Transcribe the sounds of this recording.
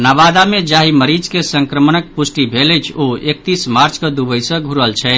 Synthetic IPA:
naβad̪amed͡ʒaɦiməɾid͡ʒkesəŋkɾəmənək̚pusʈibʱeləjt͡ʃʰoek̚t̪ismaɾt͡ʃkəd̪ubəjsə̃ɡʱuɾəlt͡ʃʰɛ

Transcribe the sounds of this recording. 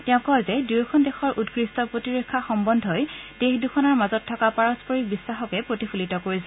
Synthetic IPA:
tɛʊ̃kɔɹzɛdiɹkʰɔndexɔɹʔutɡɹistɔpɹotiɹekʰːaxɔmbɔndʱɔjdexdukʰɔnaɹmazɔtʰːɔkapaɹɔspɔɹik̚bisːaxɔkɛpɹotipʰulitɔkoɹisɛ

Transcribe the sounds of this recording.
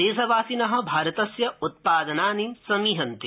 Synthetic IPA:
eːʃɐʋaːsinɐɦɐ̆bʱaːɾɐt̪ɐsjɐut̪̚paːd̪ɐnaːninsɐmiːɦɐnt̪i

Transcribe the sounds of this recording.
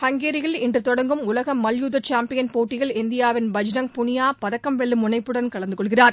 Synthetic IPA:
hɐŋɡeːɾɪɣɐɭɪndrɯt̪ɔɽɐŋɡɯmʊlɐɣɐmːɐljuːðɐt͡ʃaːmpɪjɐnpoːʈːɪɣɐɭɪnd̪ɪjaːʋɪnbɐd͡ʒnɐŋpʊɳɪjaːpɐðɐkːɐmʋɛɭːɯmʊɳɐɪpːɯɽɐnkɐɭɐnd̪ɯkɔɭɣɪraːɾ

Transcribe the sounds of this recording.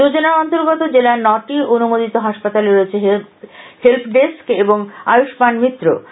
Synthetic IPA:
od͡ʑonaɾɔnt̪oɾɡɔt̪od͡ʑelanɔʈionumod̪it̪oɦaʃpat̪aleɾoet͡ɕʰeɦ | help̪ʰɖeskeboŋa̰juʃbanmit̪ːɾo̰

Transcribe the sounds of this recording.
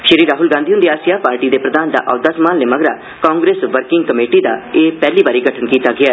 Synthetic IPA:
ʃəɾiːɾːaːɦʊlɡãːd̪iɦʊ̃nd̪iːaːsijaːpaːɾʈiːd̪eːpɾəd̪aːnd̪a̰ːʔɔːd̪aːsəmaːnleːməɡɾaː | kãːŋɡɾeːsʋəɾkɪŋɡkəmeːʈiːd̪a̰ːeːpɛːliːbaːɾiːɡəʈʰənkiːt̪aːɡɪaː

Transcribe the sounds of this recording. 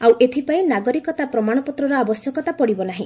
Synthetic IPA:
awʔet̪ʰipaĩnaɡɔɾikɔt̪apɾɔmaɽ̃ɔpɔt̪ɾɔɾɔabɔsjɔkɔt̪apɔɽibɔnaɦĩ

